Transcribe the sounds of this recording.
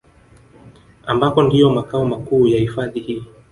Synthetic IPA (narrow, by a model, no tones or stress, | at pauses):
ambakɔndijɔmakaɔmakuːjahifaðihiː